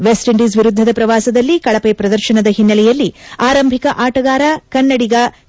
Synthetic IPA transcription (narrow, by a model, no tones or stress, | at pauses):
ʋesʈiɳɖisʋiɾud̪ʱːɐd̪ɐpɾɐʋaːsɐd̪ɐlːikɐɭɐpepɾɐd̪ɐɾʃɐnɐd̪ɐɦinːɐlɛjɐlːiaːɾɐmbʱikɐʔaːʈɐɡaːɾɐkɐnːɐɽiɡɐ